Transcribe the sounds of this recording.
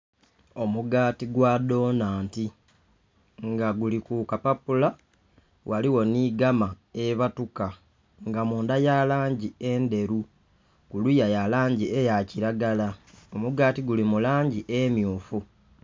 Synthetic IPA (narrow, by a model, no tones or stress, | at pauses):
o̞muɡaːtiɡwado̞ːnaːnti | ŋɡaɡulikukapapula | wʔaliwo̞niɡama | eβatuka | ŋɡamuːndajalaːɲɟiende̞ɾu | kulujajalaːɲɟiejaciɾaɡalao̞muɡaːtiɡulimulaːɲɟiʔemjuːfu